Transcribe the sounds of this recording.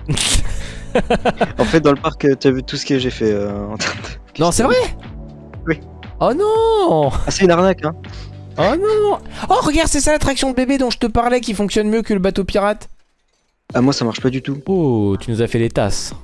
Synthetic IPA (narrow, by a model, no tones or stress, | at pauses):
ɑ̃fɛt̪̚d̪ɑ̃ləpaʁkət̪yavyt̪usə̥kəʒefɛøɑ̃t̪ʰɛ̃t̪ | nɔ̃sɛvʁɛ | wi | ɔnɔ̃aseynaʁnakɛ̃ | ɔnɔ̃ɔʁəɡaʁd̪sɛsalat̪χaksjɔ̃d̪əbebed̪ɔ̃ʒət̪əpaʁlɛk̬ʲifɔ̃ksjɔnmjøkələbat̪opiʁat̪ | amwasamaʁʃpad̪yt̪uot̪ynuzafɛlet̪a̰s